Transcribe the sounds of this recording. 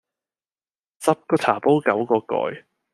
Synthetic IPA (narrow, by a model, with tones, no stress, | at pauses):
t͡sɐ˥p̚kɔː˧t̪ʰaː˨˩po˥wkɐ˨˥wkɔː˧kɔ̰ː˧j